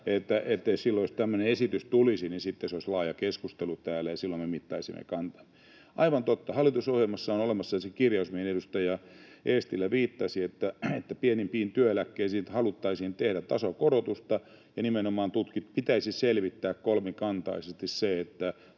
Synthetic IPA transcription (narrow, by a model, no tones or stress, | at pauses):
et̪ːæʔet̪ːeissilːooist̪æmːøneesit̪yst̪ulisininsit̪ːeseoislɑːjɑkeskust̪elut̪æːlːæjɑsilːommemit̪ːɑ̰isimːḛkɑnt̪ɑ̥mː | ʔɑiʋɑnt̪ot̪ːɑhɑlːˑit̪usohjelmɑsːɑonolemɑsːɑɑsekirjɑusmienedust̪ɑjɑeːst̪ilːæʋiːt̪ːɑsiet̪ːæet̪ːæpienimpiːnt̪yøelækːeisiːnt̪hɑlut̪ːɑisint̪ehɾætt̪ɑsokoɾot̪ust̪ɑ | jɑnimenomɑːnt̪ut̪kit̪̚pit̪æisiselʋit̪ːæːkkolmekɑnt̪ɑ̰isest̪isseet̪ːæ